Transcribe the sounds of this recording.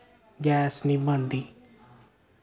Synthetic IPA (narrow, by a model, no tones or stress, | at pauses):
ɡɛːsniːbənd̪iː